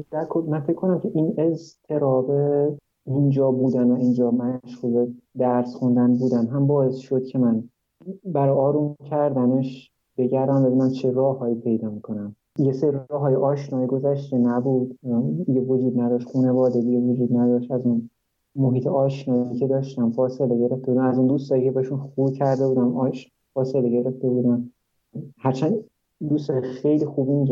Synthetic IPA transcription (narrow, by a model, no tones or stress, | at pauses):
d̪̥æɾkʰolmænfecʰːko̞næmcʰe̞ʔinezt̪ʰe̞ɾɒːbe | ind͡ʒɒːbuːd̪ænvæind͡ʒɒːmæʃɣuled̪æɾsχund̪ænbuːd̪æmɦæmbɒːe̞sʃo̞d̪̥cʰe̞mæn | bæɾɒːjɒːɾumcʲʰæɾd̪æneʃ | b̥e̞ɟæɾɒːnvæb̪inæmt͡ʃʰe̞ɾɒːhɒːiːpʰe̞jd̪ɒːmiːkʰo̞næm | jeseɾiiɾɒːɦɒːjiʔɒːʃnɒːiɡo̞zæʃt̪enæbuːd̪d̪iɡevod͡ʒuːd̪næd̪ɒʃt̪χuːne̞vɒːd̪e̞d̪iɟevod͡ʒuːd̪̚næd̪ɒʃt̪æzun | moɦiːt̪ʰeɒːʃnɒːicʰed̪ɒːʃt̪æmfɒːse̞le̞ɟe̞ɾeft̪e̞buːd̪æmæzund̪ust̪ɒːɾicʰebehʃunxuːbcʰæɾd̪e̞buːd̪æmɒːʃ | fɒːse̞leɟe̞ɾe̞ft̪e̞buːd̪æm | hæɾt͡ʃʰæn | d̪ust̪ɒːɾiʃxejliːxuːbimiɟ